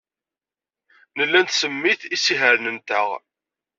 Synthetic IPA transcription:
nəlːænt̪səmːiθisiɦəɾnənt̪ə̰ʁ

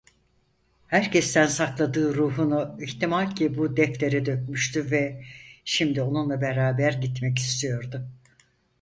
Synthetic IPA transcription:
hæɾcʰɛst̪ʰænsaklˠad̪ɯːɾuːɦunuiçt̪imalʲcibud̪ɛflʲe̞ɾɛd̪ø̞cmyʃt̪yvɛʃimd̪io̞nunlˠabeɾaːbæɾɟit̪mɛc̬i̥st̪ʰijo̞ɾd̪ʊ

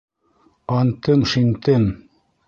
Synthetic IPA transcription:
ɑnt̪ɤmʃint̪ɘm

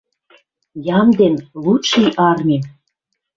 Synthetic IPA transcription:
jɑmd̪enlut͡ʃiʔɑrmʲin

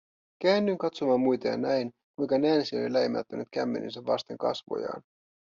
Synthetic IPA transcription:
kæːnːyŋkɑt̪somɑːmːujt̪ɑjɑ̰næjn | kujŋkɑnæːnsiolilæimːæ̰t̪ːænyt̪̚kæmːe̞nḭnsæʋːɑ̰st̪e̞ŋkɑ̰sʋo̰jɑ̰ːn

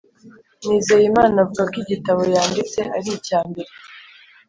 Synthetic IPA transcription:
niːzejimaːnavuɡakiɟitaβo̞jaːndit͡se̞ʔaɾicaːmbe̞ɾe

